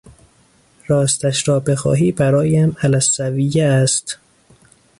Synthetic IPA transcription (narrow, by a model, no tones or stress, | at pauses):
ɾɒːst̪æʃɾɒːbexɒ̰ːɦiːbæɾɒːjæmælæsːævijeæst̪